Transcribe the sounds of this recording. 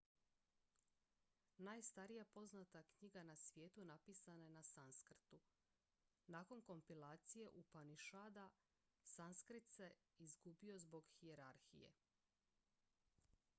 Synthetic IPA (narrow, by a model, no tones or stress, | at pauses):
naːjst̪aɾijapo̞znat̪akɲiɡanasʋje̞ːt̪unapiːsananasanskr̩t̪u | naːko̞nko̞mpilˠaːt̪sije̞ʔupaniʃaːd̪a | sanskɾit̪se̞ | izɡubio̞zbo̞ɡxie̞ɾaɾxḭjḛ